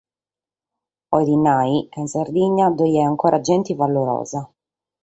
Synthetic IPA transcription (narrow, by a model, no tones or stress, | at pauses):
ɔjɾinajkainsard̪iɲːad̪ɔjɛaŋkɔːɾʔad͡ʒɛnt̪ivalːoɾɔ̰ːza